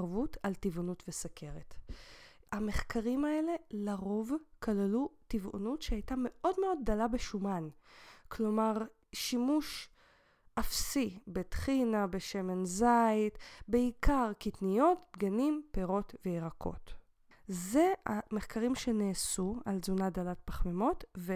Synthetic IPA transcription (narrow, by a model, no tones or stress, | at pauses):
ʁvutʰaltivonutvesakʰe̞ʁet | hame̞χkaʁimae̞le̞laʁo̞vkʰalalutivo̰nutʃeajtame̞ʔo̞dmeo̞d̚ːalabeʃumanklo̞maʁ | ʃimuʃ | ʔafsibetχinabeʃe̞menzajtbeikaʁkitnijo̞tbɡanimpeʁo̞tveeʁakʰo̞̰t | zeameχkaʁimʃeneːsua̰lzunadalat̚paχmemo̞tve